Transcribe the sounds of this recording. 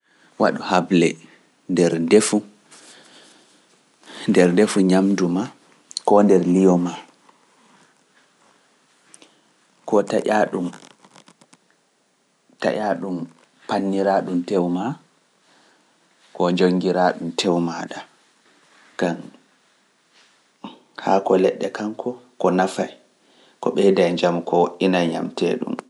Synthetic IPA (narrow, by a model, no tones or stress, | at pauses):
wa̰ɗuhablɛ | ndɛɾdefu | ndɛɾdefuɲamduma | kɔndɛɾlijɔma | kɔtaʔaɗum | ta̰ʔaɗum | panːiɾaɗumtɛwma | kɔd͡ʒoŋɡiɾaːɗumtʰɛwmaɗa | ɡ̥an | haːkɔlɛɗːɛkaŋkʰɔkɔnafaj | kɔɓɛdajɲd͡ʒamukɔwoʔːinajɲa̰mtɛ̰ːɗṵm